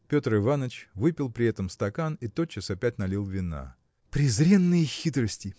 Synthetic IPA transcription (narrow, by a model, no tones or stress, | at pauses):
pʲo̞t̪rɨvanət͡ɕvɨpʲɪlˠpɾʲɪɛt̪əmst̪ɐkanit̪o̞t̪̚t͡ɕːɪsɐpʲætʲnɐlʲilˠvʲɪna̰ | pɾʲɪzɾʲe̞nːɨjəxʲit̪ɾəsʲtʲɪ